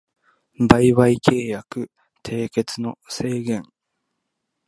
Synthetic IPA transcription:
baiβaikʰe̞ːjakɯ̟ | t̪ʰe̞ːke̞t͡sɨno̞se̞ːɡẽ̞ŋ

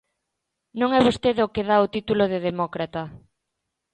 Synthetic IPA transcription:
nõŋɛβ̞ost̪eðokeðaot̪it̪uloðeðemɔkɾat̪ɐ

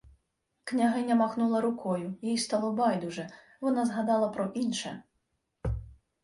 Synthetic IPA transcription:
knʲaɦɪnʲːɐmaxnulˠɐɾukɔjujijst̪alˠɔbajd̪uʐɛ | vɔnazɦad̪ɑlˠɐpɾɔʔinʃɛ

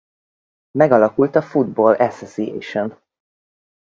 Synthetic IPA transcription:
mɛɡɒlɒkult̪ɒfud̪bolʔɛsosijɛ̰jʃon

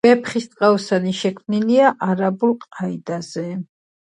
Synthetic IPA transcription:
b̥ɛpχist̪ʼqʼaɔsaniʃɛkʰmniliaʔaɾabulˠqʼaid̪azɛ

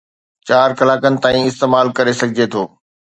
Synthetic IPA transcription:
t͡ɕaːɾkɐlaːkənɪ̆t̪aːĩɪst̪eːmaːlkɐɾesɐɡʱɪd͡ʑet̪ʰoː

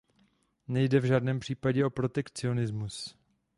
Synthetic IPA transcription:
nɛjdɛvʒaːdnɛːmpr̝̥iːpaɟɛʔo̞pɾo̞t̪ɛkt͡sɪo̞nɪzmus

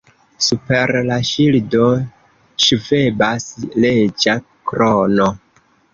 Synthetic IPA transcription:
supeɾlaʃildo | ʃuvebasled͡ʒa | kɾono

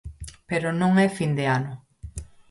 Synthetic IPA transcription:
peɾonõŋɛfind̪eanʊ

